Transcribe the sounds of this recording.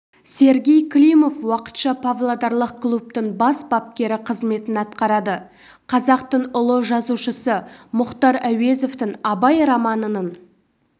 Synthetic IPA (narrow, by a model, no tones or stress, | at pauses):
se̞ɾɡʲe̞jkʰlʲijmo̞fwɑqə̥t̪ʃɑpʰavlˠad̪ɑɾlˠəq̚klˠup̚t̪əɴbɑsbɑp̚kʲe̞ɾɪqʰəzme̞t̪ɪnɑt̪qɑɾɑd̪ə | qʰɑzɑqt̪əɴʊlˠəʒɑzuʃəsəmʊqt̪ɑɾæwe̞zo̞ft̪ɪŋɑbɑjɾɑmɑnənən